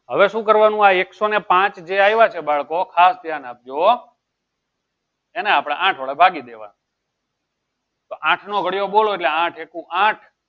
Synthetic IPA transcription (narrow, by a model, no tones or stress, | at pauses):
ɦəʋeʃũkəɾʋanũaeksonepãt͡ʃd͡ʒeajʋat͡ʃʰebaɭkokʰasd̪ʱjanap̚d͡ʒo | eneapɽ̃aãʈʰʋəɭebʱaɡid̪eʋa̰n | t̪oʔãʈʰnoɡʱəɽijoɓoloeʈleãʈʰekũʔãʈʰ